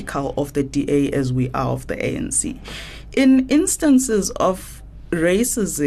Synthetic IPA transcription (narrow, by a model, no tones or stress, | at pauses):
ikʰalɔfðədiʔeʔɛzwiʔa̰ɔ̰fðə̰ʔḛɛ̰̃nsḭ | ʔɪ̃nɪ̃nstãnsɪzɔf | ɹesɪzɪ̃